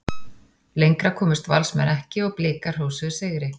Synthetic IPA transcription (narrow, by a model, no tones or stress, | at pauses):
lejŋkɾakʰɔːmɪst̪va̰lsmɛ̰nɛhcɪɔɣplɪːkar̥oːwsʏseːɣɾɪ